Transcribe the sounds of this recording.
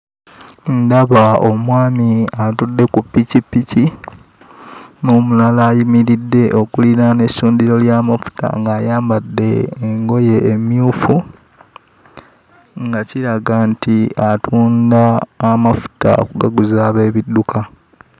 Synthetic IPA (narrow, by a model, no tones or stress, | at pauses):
ndaβao̞mwaːmiatudːe̞kupːicipːici | noːmulalaːjimiɾidːe̞ʔo̞kulinane̞suːndiɾo̞ljaːmafu̥ta̰ŋɡaːjaːmbadːe̞ːŋɡo̞je̞ːmjuːfu | ŋɡaciɾaɡantiatʰuːndaːmafu̥ta̰o̰kuɡaɡuzaːβe̞ːβidːukʰa